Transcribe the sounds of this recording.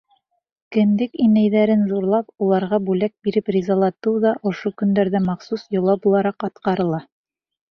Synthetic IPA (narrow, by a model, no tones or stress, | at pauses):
kɘ̆nd̪ɘkinæjðæɾɘnzuɾlˠɑpulˠɑɾʁɑbʉlæk̚biɾɘprʲizɑlˠɑt̪ɤwðɑʔŏʃokɵ̆nd̪æɾðæmɑχsusjŏlˠɑbulˠɑɾɑqɑt̪qɑɾɤ̆lˠɑ